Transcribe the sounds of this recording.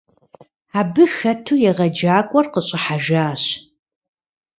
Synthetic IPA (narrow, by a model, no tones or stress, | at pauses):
aːbɨxɐtʰuːjɛʁɐd͡ʒaːkʷʼɔrqəɕʼɪħaʒaːɕ